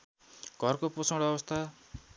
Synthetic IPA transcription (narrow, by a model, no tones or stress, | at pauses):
ɡ̥ʱʌrkoposʰʌ̃ɽʌbʌst̪ʰa